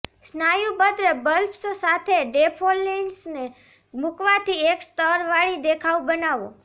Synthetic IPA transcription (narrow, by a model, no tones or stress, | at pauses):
snajũbəd̪ɾəbəlpsosat̪ʰeɖepʰolːensne | mukʋat̪ʰiekst̪əɾʋaɭid̪ekʰaubənaʋõ̰